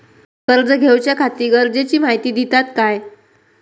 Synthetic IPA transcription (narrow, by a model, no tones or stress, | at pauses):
kəɾd͡zəɡʱewt͡ɕjakʰat̪iːɡəɾd͡zet͡ɕiːmaɦit̪iːd̪it̪at̪kaj